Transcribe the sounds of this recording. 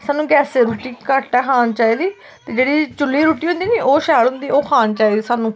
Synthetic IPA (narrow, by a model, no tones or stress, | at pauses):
saːnũːɡɛːseːɾuːʈiːkəʈɛːkʰaːnt͡ʃaːiːd̪iː | t̪eːd͡ʒeːɽiːt͡ʃʊlːiːɾuːʈiːɦʊ̃nd̪iːniːʔoːʃɛːlɦʊ̃nd̪iːoːkʰaːnt͡ʃaːiːd̪iːsaːnũː